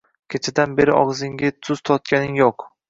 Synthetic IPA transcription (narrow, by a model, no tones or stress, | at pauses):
kʲʰet͡ʃʰad̪anbe̞ɾɪʔɒ̰ʁzɪŋɡʲɪt̪ʰʊz̥t̪ʰɒt̪̚kʲanɪŋjoq